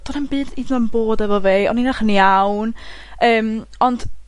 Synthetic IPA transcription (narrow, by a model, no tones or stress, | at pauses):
d̥ɔnambɨːdiːdnɔnboːdɛvɔveːɔ̰ninaχəniawn | əːmɔnd̥